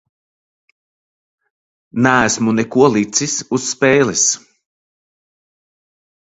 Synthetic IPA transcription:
næːsmunɛkuɔlˠit̪sisusːpɛːlis

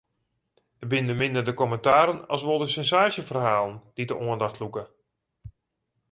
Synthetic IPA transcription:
əbɪndəmɪndərdəkɔməntaːɾənɑ̰lˠsʋolˠdəsɛnsaːʃəfərhaːlˠənd̥idəʔoəndaxtlukə

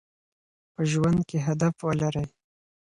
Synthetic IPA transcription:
pəʒwand̪̚keɦad̪afwəlaɾəj

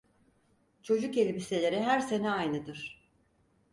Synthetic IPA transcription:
t͡ʃʰo̞d͡ʒukelʲbise̞lʲe̞ɾɛɦæɾse̞nɛajnɯd̪ɯɾ̥

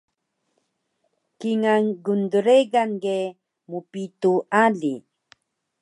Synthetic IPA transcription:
kiŋaŋɡund̪uɾeɣaŋɡe | mupit̪ualḭ

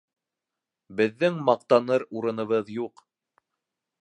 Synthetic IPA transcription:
bɘ̆ðːɘŋmɑqt̪ɑnɤɾuɾɤ̆nɤ̆βɤðjuq

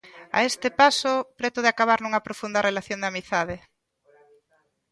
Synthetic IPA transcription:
a̰est̪ɪpasopɾet̪oðeakaβaɾnuŋɐpɾofund̪ɐrelaθjond̪amiθaðɪ

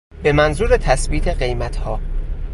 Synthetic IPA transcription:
be̞mænzuːɾet̪ʰæsbiːt̪ʰeɢe̞jmæt̪ʰhɒː

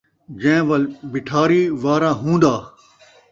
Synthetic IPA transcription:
d͡ʑẽʋɐlbɪʈʰaːɾiːʋaːɾãːɦũːnd̪aː

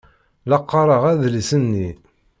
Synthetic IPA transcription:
lɑqːɑɾˤəʁæðlsənːi

